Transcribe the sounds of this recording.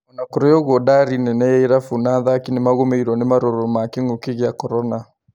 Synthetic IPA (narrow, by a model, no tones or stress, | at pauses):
ɔnakoɾɔjɔɣwɔdaɾinɛnɛjɛiɾafunaðakinemaɣomeiɾɔnemaɾoɾomakeŋokeɣeakɔɾɔna